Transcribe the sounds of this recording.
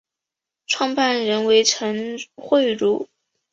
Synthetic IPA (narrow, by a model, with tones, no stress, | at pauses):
ʈ͡ʂʰwɑ˥˧ŋpa˥˩nɻə˧˥nwe˧˥ɪʈ͡ʂʰə˧˥ŋxwe˥˧ɪɻu˧˥˩